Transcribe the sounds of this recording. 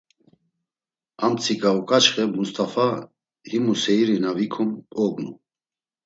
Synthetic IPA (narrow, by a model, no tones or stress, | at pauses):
amt͡sʰikʼaɔkʼat͡ʃχɛmust̪ʰʼafa | himusɛiɾinavikʰɔmɔɡnu